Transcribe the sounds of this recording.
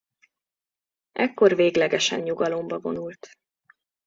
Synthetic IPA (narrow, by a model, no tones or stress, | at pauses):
ʔɛkːo̞rveːɡlɛɡɛʃɛnɲuɡɒlo̞mbɒvo̞̰nult̪